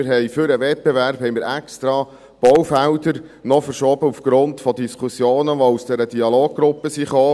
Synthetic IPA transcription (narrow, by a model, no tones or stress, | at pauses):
ɪɾɦɛjfʏɾəʋɛt̚b̥ɛvæɾphɛjmɪːɾɛkst̪ɾɑ | b̥ɔwfæwdəɾnɔfəɾʃɔːbəufɡ̥ɾʊntfɔd̪iskʰusjoːnəʋɔusd̥ɛɾəd̥iɑloːɡ̚ɡɾʊpːəsiχoː